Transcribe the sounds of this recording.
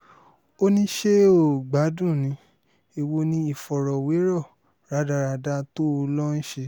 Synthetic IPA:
o˦nĩ˦ʃe˦o˦˨ɡ͡ba˨˦dũ˦˨nĩ˨˦ | e˧wo˧nĩ˦i˦˨fɔ˨ɾɔ˨we˨˦ɾɔ˦˨ | ɾa˨˦da˧ɾa˧da˧˦to˦o˧lɔ˦n̩˦ʃe˧

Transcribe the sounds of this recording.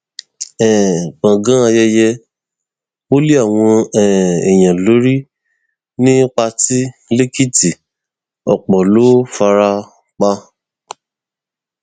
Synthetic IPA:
ɛ̃˨k͡pã˨ɡã˦a˧jɛ˧jɛ˧ | o˦li˦a˦˨w̃ɔ̃˧ɛ̃˨ɛ˨j̃ã˨lo˨˦ɾi˦ | nĩ˦k͡pa˧ti˦le˦ki˦ti˨ | ɔ̰˨k͡pɔ˨lo˦fa˧ɾa˧ | k͡pa˧

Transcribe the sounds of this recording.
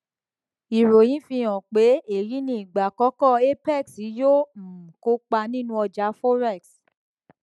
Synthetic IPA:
i˨ɾo˨j̃ĩ˨˦fĩ˧j̃ɔ̃˨k͡pe˨˦e˨ɾi˨˦nĩ˦i˨ɡ͡ba˨kɔ˨˦kɔ˦˨e˦pɛ˦˨ksi˨˦jo˦˨m̩˨ko˦k͡pa˧nĩ˦nũ˧˦ɔ˧d͡ʒa˨˦fɔ˦ɾɛ˦˨ks

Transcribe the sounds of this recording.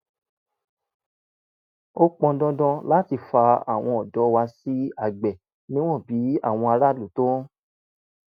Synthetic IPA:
o˦k͡pɔ̃˧dɔ̃˧˦dɔ̃˧la˦ti˧˨fa˧a̰˨w̃ɔ̃˧ɔ˨dɔ˨˦wa˧si˦a˦˨ɡ͡bɛ˨ | nĩ˦w̃ɔ̃˦˨bi˨˦a̰˦˨w̃ɔ̃˧a˧ɾa˦˨lu˨tõ˦

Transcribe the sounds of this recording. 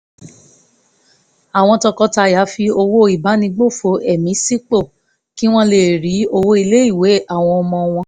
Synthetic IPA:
a˨w̃ɔ̃˧tɔ˧kɔ˧ta˧ja˨˦fi˧o˧wo˦i˨ba˨˦nĩ˧ɡ͡bo˦˨fo˨˦ɛ˦˨mĩ˨˦si˦k͡po˦˨ | ki˦w̃ɔ̃˦le˦˨ɾi˨˦o˧wo˦i˧le˦i˦˨we˨˦a˦˨w̃ɔ̃˧ɔ˧mɔ̃˧w̃ɔ̃˧

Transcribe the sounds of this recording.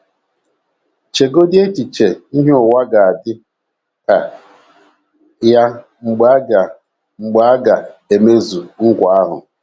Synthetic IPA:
t͡ʃe˨ɡo˦dɪ˦e˦ti˨t͡ʃe˨i˦ɦe˦ʊ˨wa˦ɡa˨a˨dɪ˦ | ka˨ | ja˦ | ŋ͡m̩˨ɡ͡ba˦ɡa˨ | ŋ͡m̩˨ɡ͡ba˨˦a˦ɡa˨e˨me˦zu˨ŋ̩˦kʷa˨a˦ɦʊ̰˨

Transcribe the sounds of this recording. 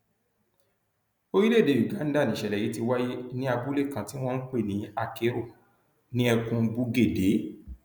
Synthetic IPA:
o˦ɾi˦le˦˨de˨ju˨ɡã˨˦n̩˦da˦˨nĩ˨ʃɛ˨lɛ˨ji˨˦ti˧wa˦je˦nĩ˦a˧bu˦le˦˨kã˧ti˦w̃ɔ̃˦n̩˦k͡pe˦˨nĩ˨˦a˧ke˦ɾo˦˨ | nĩ˦ɛ˧kũ˧bu˧ɡe˦˨de˨˦

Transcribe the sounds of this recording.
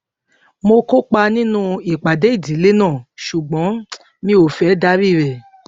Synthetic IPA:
mo˧ko˦k͡pa˧nĩ˦nũ˦˧i˨k͡pa˨de˨˦i˦˨di˨˦le˦nãː˦˨ʃu˨ɡ͡bɔ̃˨˦ | mĩ˧˦o˨fɛ˨˦da˦ɾi˦˨ɾɛ˨

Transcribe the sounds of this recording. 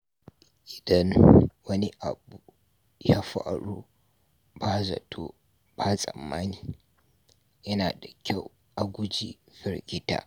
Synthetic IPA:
ʔɪ˨dɐ˦nwɐ˦ni˦ʔa˨bu˨ | ja˦ɸa̰˦ɽuː˦ | ba˦zɐ̰˨tʰo˦ | b̥a˦sʼɐ̰˨mːaː˦niː˨ | jɐ˦naː˨da˨kʲa˦˨w | ʔa˨ɡʷʊ˦d͡ʒi˦ | ɸɪ˨ɾɡʲɪ˦ta̰ː˦

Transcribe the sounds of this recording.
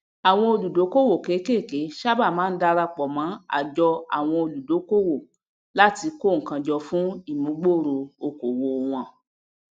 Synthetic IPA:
a˨w̃ɔ̃˧o˧lu˨do˨˦ko˦wo˦˨ke˨˦ke˦˨ke˨˦ʃa˦ba˦˨mãː˨˦n̩˦da˧ɾa˧k͡pɔ˨mã˨˦a̰˨d͡ʒɔ˧a̰˨w̃ɔ̃˧o˧lu˨do˨˦ko˦wo˦˨ | la˦ti˧ko˦˨ŋ̩˨kã˧d͡ʒɔ˧fũ˦i˦˨mũ˨˦ɡ͡bo˦˨ɾo˧o˧ko˨wo˧˨w̃ɔ̃˧

